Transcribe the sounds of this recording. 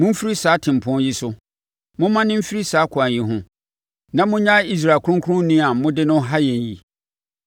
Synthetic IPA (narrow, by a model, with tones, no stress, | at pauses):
mʊ̃˦m̩˦fi˦ɾi˦saː˨˦tʰɪ̃˨m̩˨pʰʊ̃˦ji˦sʊ˦ | mʊ̃˦mã˦nɪ̃˦m̩˦fi˦ɾi˦saː˨˦kʰʊ˨a˨ji˨ɦʊ̃˦ | nã˦mʊ̃˦ɲã˦i˦s̬ɾa˨kʊ˦ʊ̃˦ŋkʰʊ˦ʊ̃˦nĩ˦a˨˦mʊ̃˦dɪ˦nʊ̃˦ɦa˦jɛ̃˨n˨jḭ˨